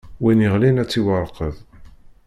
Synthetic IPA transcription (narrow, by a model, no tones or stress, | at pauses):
winiʁlinæt͡sːiwəɾˤqəð